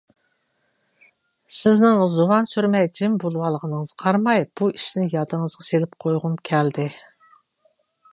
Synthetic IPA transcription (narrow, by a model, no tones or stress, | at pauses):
sɪznɪŋzowɑnsyɾmɛjd͡ʒɪmbolˠwɑlˠəʁənəŋəzqʰɑɾmɑjb̥uiʃnɪjɑd̪ɨŋəzʁɑselɪp̚qʰojʁʊmkʲʰɛld̪ɪ